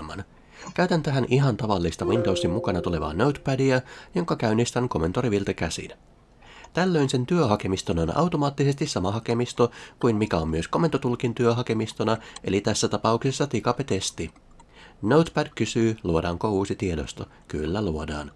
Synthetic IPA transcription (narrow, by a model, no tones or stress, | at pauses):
mɑ̰n | kæyt̪ænt̪æɦænʔiɦɑnt̪ɑʋɑlːist̪ɑʋint̪owst̪imːukɑnɑt̪ule̞ʋɑ̰ːnowt̪pædiæjo̞ŋkɑkæynːist̪ænko̞me̞nt̪oɾiʋilt̪ɑkæsḭn | t̪ælːø̞jnse̞nt̪yøɦɑke̞mist̪ononɑ̰wt̪o̞mɑːt̪ːisest̪issɑmɑɦɑke̞mist̪okujnmikæommyøsko̞mːent̪ot̪ulkint̪yøɦɑke̞mist̪onɑʔe̞̰lit̪æsːæt̪ɑpɑuksesːɑt̪ikɑpet̪e̞st̪i | nowt̪pædkysyːluodɑːŋkouːsit̪iedost̪ɑ | ky̰lːæluodɑ̰ːn